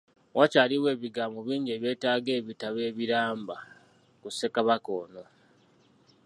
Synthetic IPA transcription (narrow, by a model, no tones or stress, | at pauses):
wʔacaːliwe̞ːβiɡaːmoβiːɲɟeːβje̞ːtaːɡe̞ːβitaβe̞ːβiɾaːmba | kuse̞kaβako̞ːno̞